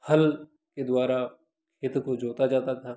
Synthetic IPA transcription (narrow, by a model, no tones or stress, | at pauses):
hɐl | ked̪waːɾa | kʰɪt̪kod͡ʒoːt̪ad͡ʒaːt̪at̪ʰaː